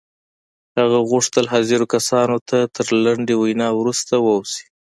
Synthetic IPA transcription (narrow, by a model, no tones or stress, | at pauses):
haɣaɣʊʂt̪əlɦaziɾokasɑnot̪ʰat̪ʰəɾlaɳɖewajnɑwɾust̪awəwsi̥